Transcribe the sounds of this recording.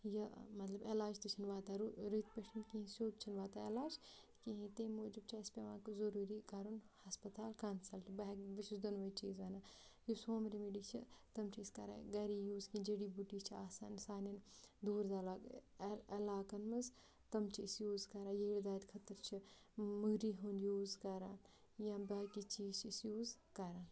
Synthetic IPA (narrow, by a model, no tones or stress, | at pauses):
jɐmɐt̪lɐbelaːd͡ʒt̪ɨt͡ʃʰɐnʋaːt̪aːɾuɾit̪pɐʃɐnkĩɦĩsoːd̪t͡ʃʰɐnʋaːt̪aelaːd͡ʒ | kiɦĩt̪eːmoːd͡ʒub̚t͡ʃʰaːspʲeʋaːkzɐɾuːɾiːkɐɾunhɐspɐt̪aːlkaːnsɐlt͡ʃʰibɐɦkbɐʃisd̪ɐnʋɐt͡ʃiːzʋɐnaːjusoːmɾimiɖiːt͡ʃʰit̪ɐmt͡ʃʰiːskɐ̰ɾã̰ːɡɐɾijuːzkĩd͡ʒeːɽiːbuʈiːt͡ʃʰiaːsa̰ːnsaːnind̪uːɾd̪ɐlaː | ɐlaːkɐnmɐz | t̪ɐmt͡ʃʰiisjuːzkɐɾãːjeɽd̪aːd̪ʲkʰɐt̪əɾt͡ʃʰi | muɡɾiːɦunjuːzkɐɾaːn | jãbɐɦkit͡ʃiːzt͡ʃʰisjuːzkɐɾaːn